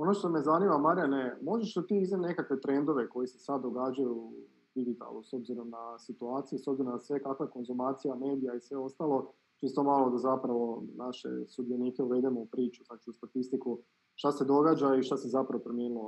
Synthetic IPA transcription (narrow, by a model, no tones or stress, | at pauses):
o̞noʃt̪o̞mezanimamaɾjanemo̞d͡ʒeʃd̪at̪iːiznene̞kakʋe̞t̪ɾe̞nd̪o̞ʋe̞ko̞jisesad̪ːo̞ɡad͡ʑaju | d̪iɡit̪a̰lˠuso̞bziɾo̞mnasit̪uaːt̪sijusobziɾo̞mnasʋe̞kakʋaje̞ko̞nzumaːt̪sijame̞ːd̪ijaisʋe̞o̞st̪aːlˠo̞ | t͡ʃist̪omalˠo̞d̪azapɾaʋo̞naʃḛsud̪ieniːke̞uʋe̞d̪emoupɾiːt͡ʃu̥znat͡ʃiust̪at̪ist̪iku | ʃt̪ase̞d̪o̞ɡaːd͡ʒaiʃt̪asizapɾaʋo̞pɾomjeːnulˠo